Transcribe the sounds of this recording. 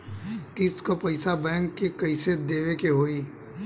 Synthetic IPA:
kɪskopɐɪsabɛ̃ːŋkːekɐɪsed̪eːʋekeɦoːi

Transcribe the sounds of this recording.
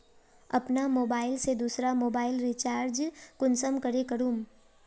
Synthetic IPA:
ɐ̰pnamoːbaːɪlsed̪uːsɾamoːbaːɪlɾit͡ʃaːɾd͡ʒkʊnsəmkəɾekəɾũːm

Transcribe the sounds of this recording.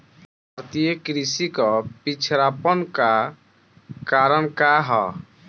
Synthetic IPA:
bʱaɾt̪ijəkɾisikɔpit͡ʃʰɾapɔnka | kaːɾəɳkaɦɔ̰

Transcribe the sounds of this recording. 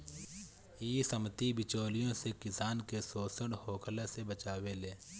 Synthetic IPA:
iːsəmt̪ibɪt͡ʃoːlɪjõsekɪsaːnkesoːsəɽhoːkʰlesebət͡ʃaːweleː

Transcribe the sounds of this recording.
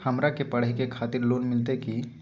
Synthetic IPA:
həmɾakepəɽ̤əɦikekʰaːt̪ɪɾloːnmɪlt̪eki

